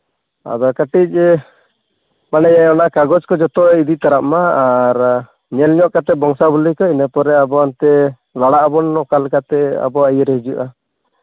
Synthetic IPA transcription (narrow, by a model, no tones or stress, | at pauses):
a̰d̪ɔkaʈic̚ˀ | manɛjɛɔnaʔkaɡɔt͡ʃkɔd͡ʒɔt̪ɔid̪it̪aɾaʔmaːɾ | ɲɛlɲɔʔkat̪ɛbɔŋsabulikɔinɛpɔɾɛabɔant̪ɛ | laɽaʔbɔnɔkalkat̪ɛa̰bɔajɛɾɛɦid͡ʒuʔa